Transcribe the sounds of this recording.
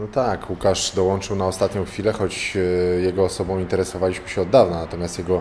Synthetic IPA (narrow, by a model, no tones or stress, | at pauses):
nɔt̪akwukaʂd̪ɔwɔnt͡ʂɘwnaɔst̪at̪ɲɔ̃w̃xfʲilɛxɔt͡ɕjɛɡɔːsɔbɔ̃w̃int̪ɛɾɛsɔvalʲiɕmɘɕɛɔd̪ːavnanat̪ɔmʲjast̪jɛɡɔ